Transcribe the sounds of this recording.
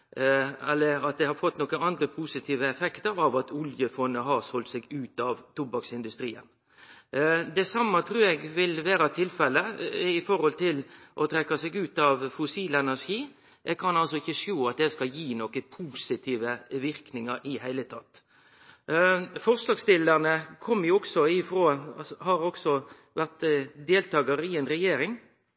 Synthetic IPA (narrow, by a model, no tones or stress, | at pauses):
ɛlːəɾɑt̪̚d̪ɛhɑɾfɔt̪ːnɔkːəɑnd̪ɾəpʰuːsɪt̪ʰiːʋəɛfɛkt̪əɾɑʋɑt̪ʊljəfɔnːəɦɑɾsɔlt̪sɛɡʉːt̪ɑʋt̪ʰʊbɑksɪnd̪ʉst̪ɾiːə̰n | d̪ɛsɑmːɑt̪ʰɾʉːɛɡʋɪlʋæːɾɑt̪ʰɪlfɛlːəɪfɔɾhɔlt̪ʰɪlʔɔt̪ʰɾɛkːɑsɛɡʉːt̪ɑʋfʊsiːlɛnæɾʂiː | ʔɛɡ̚kʰɑnɑlsɔɪçːəʂjuːɑt̪̚d̪ɛskɑjiːnɔːkəpʰuːsɪt̪ʰiːʋəʋɪɾknɪŋɑɾʔɪhæɪlət̪ʰɑt̪ː | fɔɾslɑɡst̪ɪlːəʁnəkʰɔmːəɾjʊɔksɔɪfɾoːhɑɾɔksɔ | ʋæʁt̪d̪eːlt̪ɑːɡɑɾɪɛːnɾɛjeːɾɪŋ